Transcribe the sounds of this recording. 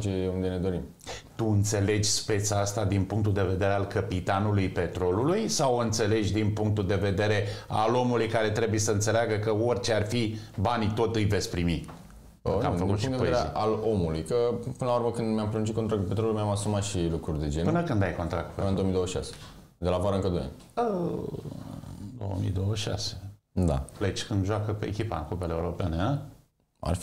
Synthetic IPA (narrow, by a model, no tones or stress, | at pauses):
t͡ʃeund̪e̞ne̞d̪o̞ɾim | t̪uɨnt̪se̞le̞d͡ʒʲspe̞t̪sast̪ad̪inpuŋkt̪uld̪e̞ve̞d̪e̞ɾe̞alkəpit̪anulujpe̞t̪ɾo̞lulujsawɨnt̪se̞le̞d͡ʒʲd̪inpuŋk̚t̪uld̪e̞ve̞d̪e̞ɾe̞a̰lo̞mulujkaɾe̞t̪ɾe̞buje̞səɨnt̪se̞leaɡəkəo̞rʲt͡ʃe̞arfibanit̪o̞t̪ɨjve̞t̪sʲpɾimi | kafəkkut̪ʃid̪evojeeɾeḭʔalomulujkəpɨnəlauɾməkɨnd̪mjampɾeunt͡ʃit̪kont̪ɾakt̪upet̪ɾolulmjamasumat̪ʃilukɾurʲd̪e̞d͡ʒenpɨnəkɨnd̪ajko̞nt̪ɾa̰kt̪pend̪oomid̪owəʃiʃa̰se̥ | d̪elavoaɾaɨŋkəd̪uja̰n | ə | d̪o̰wə̰mḭd̪owəʃʃa̰se̥d̪a̰flet͡ʃkɨnd̪ʒoakəpeekʲipa̰ɨ̰ŋkupeleːuɾo̞penea | a̰r